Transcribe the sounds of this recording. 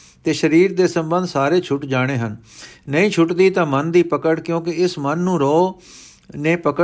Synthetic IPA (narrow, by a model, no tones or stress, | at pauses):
t̪eːʃəɾiːɾd̪eːsə̃mbənd̪saːɾeːt͡ʃʰʊʈd͡ʒaːɽ̃eːɦənːəĩːt͡ʃʰʊʈd̪iːt̪ãːmənd̪iːpəkəɽkjõːk̬ɪɪsmənːũːɾɔː | neːpəkə